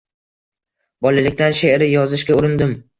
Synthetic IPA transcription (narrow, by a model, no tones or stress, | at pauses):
bɒlalɪkʲt̪anʃeɾɪjɒzɪʃɡʲaʊɾɪnd̪ɪm